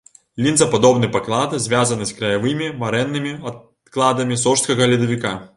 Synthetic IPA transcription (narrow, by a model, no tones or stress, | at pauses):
lʲinzɐpad̪ɔbnɨjpaklˠad̪ɨzʲvʲazɐnɨskɾɐjavɨmʲimɐɾɛnːɨmʲiɐ | klˠad̪ɐmʲisɔʂt̪kɐɣɐlʲid̪ɐvʲika